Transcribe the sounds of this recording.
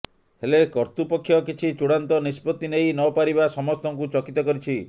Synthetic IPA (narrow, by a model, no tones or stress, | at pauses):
helekɔɾt̪upɔkʰːjɔkit͡ʃʰit͡ʃuɽant̪ɔnispɔt̪inejnɔpaɾibasɔmɔst̪ɔŋkut͡ʃɔkit̪ɔkɔɾit͡ʃʰi